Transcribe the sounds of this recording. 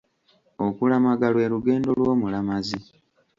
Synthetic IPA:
o̞kulamaɡalwe̞ːluɡe̞ːndo̞lwo̞ːmulamazi

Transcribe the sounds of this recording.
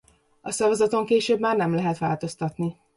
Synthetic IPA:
ɒsɒvɒzɒt̪o̞ŋkeːʃøːbmaːrnɛmlɛɦɛt̪ʋaːlt̪o̞st̪ɒt̪ni

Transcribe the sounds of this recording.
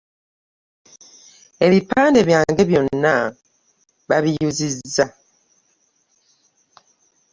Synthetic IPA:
e̞βipaːnde̞βjaːŋɡe̞βjo̞nnːa | βaβijuzizːa

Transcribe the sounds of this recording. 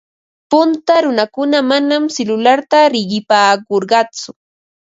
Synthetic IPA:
pʊnt̪aɾʊnakʊnamanamsɪlʊlaɾt̪aɾɪɢɪpaːkoɾɢɑt͡sʊ

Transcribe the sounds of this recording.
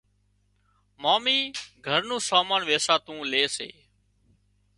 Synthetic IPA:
maːmiːɡʱəɾnũːsaːmaːnʋeːsaːt̪ũːleːsḛː

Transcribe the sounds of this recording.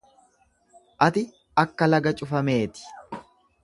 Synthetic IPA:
ʔɐt̪ɪ | ɐkːɐlɐɡɐt͡ʃʼʊfɐme̞ːt̪ɪ̥

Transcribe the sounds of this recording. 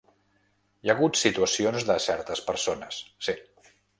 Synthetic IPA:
jaɣut̪sit̪uəsionzðəsɛɾt̪əspəɾsonəsːi

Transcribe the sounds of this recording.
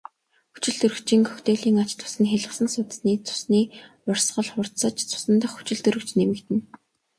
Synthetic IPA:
xu̥t͡ɕɪ̆ɮt̪ɵrɵ̆kt͡ɕiːŋkʰœ̥xt̪eːɮiːŋat͡ɕt̪ʰʊ̥sɘ̆nxeɮə̆sə̆nsʊt̪̆sniːt͡sʰʊ̥sniː | ʊrsɢə̆ɮχʊr̥t̪sə̆t͡ɕt͡sʰʊ̥sə̆nt̪ə̆χu̥t͡ɕɪ̆ɮt̪ɵɾɵ̆kt͡ɕnemɘ̆kt̪ɘ̆n

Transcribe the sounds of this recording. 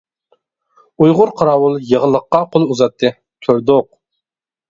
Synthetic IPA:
ujʁʊɾqʰɑɾɑːwulˠjəʁəlˠəqːɑqʰolˠuzɑt̪ʰːɨ | t̪ʰøɾd̪oq̚

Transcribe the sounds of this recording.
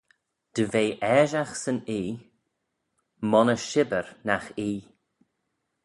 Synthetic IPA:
d̪̥əveːʔɛːʒaxsəniː | mɔnəʃɪbəɹnaxiː

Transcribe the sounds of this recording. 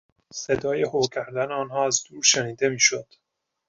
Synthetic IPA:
se̞d̪ɒːjehocʲʰæɾd̪æneɒːnɦɒːæzd̪uːɾʃeniːd̪e̞miːʃod̪̥

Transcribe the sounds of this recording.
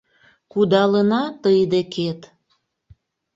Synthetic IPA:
kud̪ɑlənɑt̪əjd̪ekʰet̪

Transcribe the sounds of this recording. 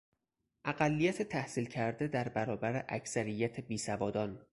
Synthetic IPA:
ʔæɢælːijæt̪ʰet̪ʰæhsiːlcʰæɾd̪ed̪æɾbæɾɒːbæɾeʔæcʰsæɾijːæt̪ʰebiːsævɒːd̪ɒːn

